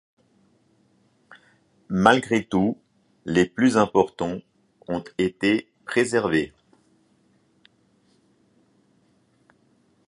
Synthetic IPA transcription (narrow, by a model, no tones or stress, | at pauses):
malɡʁet̪u | leplyzɛ̃pɔʁt̪ɑ̃ | ɔ̃t̪et̪e | pχezɛʁve